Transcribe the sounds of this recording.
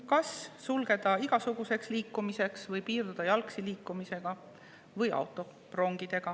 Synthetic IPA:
kɑssulɡ̥e̞d̪̥ɑiɡ̥ɑsuɡ̥use̞ksliːkːumise̞ksvɤjpiːrd̪ud̪ɑjɑlksiliːkːˑumise̞ɡ̥ɑ | vɤjʔɑ̰wt̪ːˑo̞ | pro̞ŋɡ̥id̪e̞ɡ̥ɑ

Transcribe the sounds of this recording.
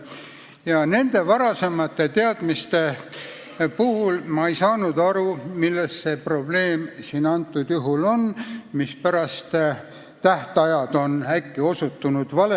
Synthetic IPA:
jɑne̞nd̪̥e̞vɑɾɑse̞mɑt̪ːˑe̞t̪eɑd̪̥mist̪e̞ | puhulmɑejsɑːnud̪̥ɑɾumilːesse̞pro̞b̥le̞ːmsiːnɑnt̪ˑːud̪̥juɦulo̞nmispæɾɑst̪ | t̪æht̪ɑjɑd̪̥o̞nækːio̞sut̪ːunud̪̥vɑle

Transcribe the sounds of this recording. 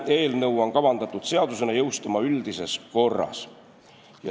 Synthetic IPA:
eːlneuwɑŋkɑʋɑnt̪ɑt̪ːut̪seɑd̪usenɑjeust̪ɑmɑylt̪iseskorɑ̰s | jɑ̰

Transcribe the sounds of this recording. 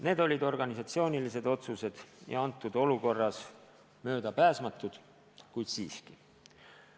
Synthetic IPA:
ne̞ːd̪o̞lʲid̪o̞rɡ̥ɑnisɑt̪sio̞ːnilise̞d̪o̞t̪suse̞d̪̥jɑ̰ɑnt̪ːˑud̪̥o̞luko̞rːɑs | mø̞ːd̪̥ɑpæːsmɑt̪ːˑud̪̥ | kujd̪siːski

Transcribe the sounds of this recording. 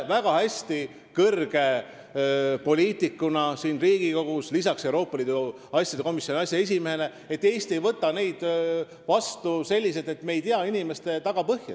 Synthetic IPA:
væɡ̥ɑhæsʲt̪i | kɤrɡ̥e̞ | po̞lʲiːt̪ˑikːˑunɑsiːnriːɡiko̞ɡ̥uslisɑkse̞uwɾo̞ːpːˑɑliːd̪u | ɑsʲːjɑd̪e̞ko̞misʲjoniɑsʲjɑes̬ʲimeɦe̞le̞ | e̞t̪ːe̞jst̪e̞jvɤt̪ˑːɑne̞jd̪̥ | vɑst̪use̞lʲːis̬et̪e̞t̪me̞jt̪iɑinime̞st̪e̞t̪ɑɡ̥ɑpɤhjɑ̰

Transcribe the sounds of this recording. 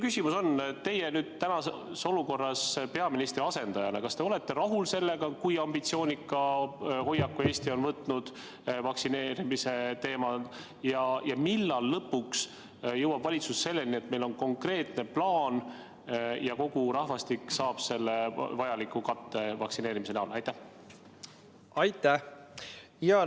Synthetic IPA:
kysimuso̞nt̪e̞jenyːd̪̥̚t̪ænɑ | so̞luko̞rːɑspe̞ɑminist̪ɾiɑse̞nd̪̥ɑjɑnḛkɑst̪e̞o̞le̞t̪ːˑe̞ɾɑɦulse̞lːe̞ɡ̥ɑkujɑmbit̪sio̞ːnʲikˑːɑho̞jːɑkːue̞ːst̪io̞nvɤt̪ːˑnud̪̥ | vɑksine̞ːɾimise̞t̪e̞ːmɑ | jɑjɑmilːɑlːɤpːuks | jɤwɑb̥vɑlʲit̪susːe̞lːelnie̞t̪me̞lo̞nko̞ŋkre̞ːt̪ne̞plɑːn | jɑko̞ɡ̥uɾɑhvɑst̪iksɑːb̥se̞lːevɑjɑlikːˑukɑt̪ːe̞vɑksine̞ːɾimis̬enæulɑjt̪æh | ɑjt̪ːˑæ | jɑ

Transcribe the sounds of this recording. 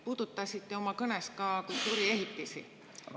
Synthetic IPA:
puːd̪̥ut̪ːˑɑsit̪ːeo̞mɑkɤneskɑːkult̪ːˑuːɾie̞ɦit̪ːˑisḭ

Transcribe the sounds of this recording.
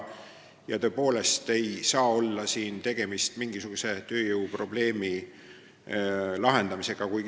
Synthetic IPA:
jɑt̪ø̞ːpo̞ːle̞st̪e̞jsɑːo̞lːɑsiːnt̪e̞ɡ̥e̞mist̪miŋɡ̥isuɡ̥use̞t̪ø̞ːjɯwpro̞b̥le̞ːmi | lɑɦe̞nd̪ɑmise̞ɡ̥ɑkujɡ

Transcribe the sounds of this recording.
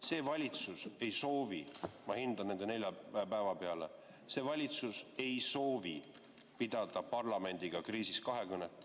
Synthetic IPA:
se̞ːvɑlʲit̪suse̞jso̞ːvimɑhind̪̥ɑnne̞nd̪enelʲjɑæpævɑpe̞ɑlḛ | se̞ːvɑlʲit̪suse̞jso̞ːvi | pid̪̥ɑd̪̥ɑpɑrlɑme̞nʲd̪̥iɡ̥ɑkriːsis̚kɑɦe̞kɯnːet̪ːˑ

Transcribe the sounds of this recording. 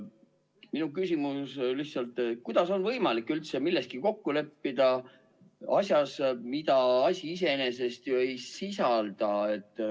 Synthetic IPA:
minukysʲimuslih̪sɑlt̪ːˑkujd̪̥ɑso̞nvɤjmɑlikːˑylt̪se̞milːe̞st̪̚kiko̞kːule̞pːid̪̥ɑ | ɑsʲjɑsmid̪ɑɑsʲiis̬e̞ene̞s̬e̞st̪joejsisɑld̪̥ɑe̞t̪ːˑ

